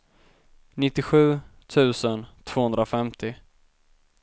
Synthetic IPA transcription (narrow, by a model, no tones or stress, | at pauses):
nɪt̪ːɪɧʉ̟ːt̪ʰʉ̟ːsənt̪ʰv̥oːhɵnd̪ɾafɛmt̪ʰɪ